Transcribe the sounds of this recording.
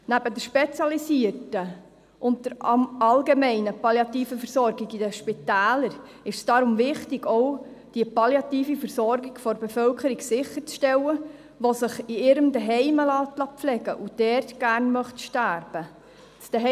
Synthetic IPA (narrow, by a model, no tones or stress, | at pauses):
næb̥ədəɾʃpɛt͡sjɑlisiərtə | ʔʊnt̚d̥əɾɑlɡemɛɪnəpɑljɑt̪iːfəfəɾsɔɾɡɪɡid̥əʃpitæːləɾ | ɪʃsd̥ɑɾʊmvɪχtɪɡ̥ɔʊ | d̥ipɑljɑtiːfifəɾsɔɾɡɪɡ̥fɔɾbefœlkəɾiɡsɪχəɾt͡sʃtɛlːə | ʋosɪχiɪɾəmdɛɦɛɪməlɑːtlɑpflɛɡəʔud̥ɛrtɡ̥æɾnmœχtʃtæːɾb̥ə | sd̥ɛɦ